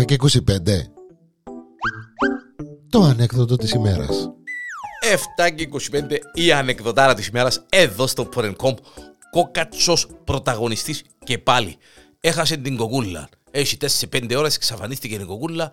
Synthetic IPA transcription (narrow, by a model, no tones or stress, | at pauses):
ɐceikosipend̪e | t̪oɐne̞kðot̪ot̪isimeɾɐ̰s | e̞ft̪ɐceiko̞si̥pe̞nd̪e̞iɐne̞kðo̞t̪ɐɾɐt̪isime̞ɾɐseðo̞st̪o̞pʰoɾeŋkʰo̞mb | ko̞kɐt͡so̞spɾo̞t̪ɐɣo̞nist̪is | ce̞pɐlḭ | e̞xɐse̞nt̪iŋɡo̞kulːɐ̰ | eʃit̪e̞ssepe̞nd̪eo̞ɾese̥ksɐfɐnist̪icet̪iŋɡo̞kulːɐ